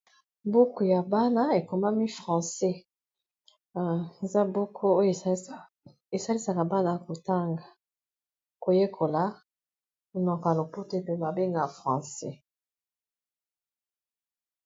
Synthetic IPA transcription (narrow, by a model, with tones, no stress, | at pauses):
bo˦ko˨ja˨ba˦na˦e˨ko˨ma˦mi˦fʁɑ̃˨sɛ˦˨ | e˨za˦bo˦kʰo˦o˦jo˨ | e˨sa˦li˦sa˨ka˨ba˦na˦˨ko˨ta˦ŋɡa˨ | ko˨je˦kʰo˨la˨˦ | o˨nɔ˨ka˨lo˨po˦to˦e˨pe˨ma˨be˦ŋɡa˨fʁɑ̃˨sɛ˦